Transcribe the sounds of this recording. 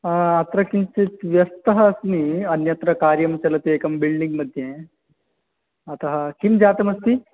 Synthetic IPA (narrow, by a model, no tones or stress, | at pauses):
at̪ɾɐkint͡sit̪ʋjɐst̪ɐɦɐːsniɐnjɐt̪ɾɐkaɾjɐmt͡ɕɐlɐt̪iekɐmbilɖiŋɡmɐd̪ʱjẽ | ɐt̪ɐɦɐkimd͡ʑat̪ɐmɐst̪i